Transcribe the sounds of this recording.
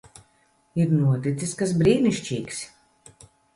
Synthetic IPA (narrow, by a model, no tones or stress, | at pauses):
iɾnuɔt̪it̪siskasbɾiːniʃt͡ʃiːks